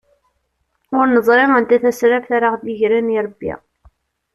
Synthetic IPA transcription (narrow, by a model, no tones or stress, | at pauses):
ʊɾnəzˤɾˤemənt̪æθæsɾæfθaɾaʁðiʝɾæniɾˤəbːḭ